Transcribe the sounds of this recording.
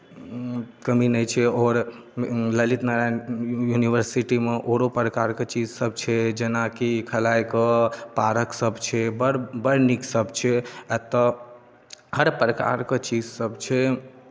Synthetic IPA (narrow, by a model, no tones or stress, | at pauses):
kəminəjt͡ʃʰɛɔːɾ | ləlit̪naɾajuniʋəɾsiʈimeʔoɾopɾəkaɾket͡ʃid͡ʒsəbʱt͡ʃʰɛd͡ʒenakikʰəlajkəpaɾəksəbt͡ʃʰɛbəbəɾniksəbʱt͡ʃʰɛət̪ːɔ | həɾpɾəka̰ɾket͡ʃid͡ʒsəbt͡ʃʰɛ